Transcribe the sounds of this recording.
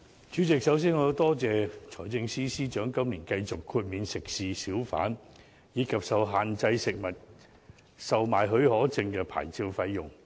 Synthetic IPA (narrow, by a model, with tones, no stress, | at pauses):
t͡ʃyː˨˥t͡sɪ˨k̚sɐ˨˥ws̬iː˥nŋɔː˨˧jɐ˨˧wt̪ɔː˥t͡sɛː˨˧t͡sʰɔː˨˩jt͡sɪ˧ŋsiː˥siː˥t͡ʃœː˨˥ŋkɐ˥mliː˨˩nkɐ˧jt͡sʊ˨kʰːuː˧t̚miː˨˧nsɪ˨k̚siː˨siː˨˥wfa̰ː˨˥n | jiː˨˧kʰɐ˨p̚sɐ˨wɦaː˨nt͡sɐ˧jsɪ˨k̚mɐ˨t̚ | sɐ˨wmaː˨jɦɵ˧ɥhɔː˨˥t͡sɪ˧ŋkɛː˧pʰa̰ː˨˩jt͡siː˧wfɐ˧jːʊ˨ŋ